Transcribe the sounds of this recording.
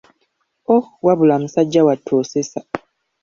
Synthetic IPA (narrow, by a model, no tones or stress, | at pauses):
owaβulamusaɟːawatʰoːsesa